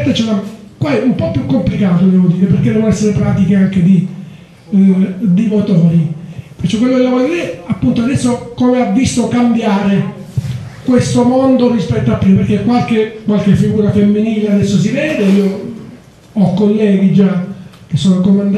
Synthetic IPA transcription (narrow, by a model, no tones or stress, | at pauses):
t̪ːet͡ʃɾa | kwaɛumpɔpːjukːomplikaːt̪od̪ɛːvod̪iːɾeperked̪ɛːvonoɛsːeɾepɾaːt̪ikeaŋked̪i | d̪imot̪ɔːɾipet͡ʃːɔkːwelːood̪ɛvod̪iːɾeapːunt̪oad̪ɛsːokomeavːist̪okambjaːɾe | kwest̪omond̪orispɛt̪ːoapːɾiːmaperk̟ːekːwalkekːwalkefːiɡuːɾafemːiniːlead̪ɛsːosivɛːd̪eiːo | ɔkːolːɛːɡid͡ʒa | k̟esːoːnokomand̪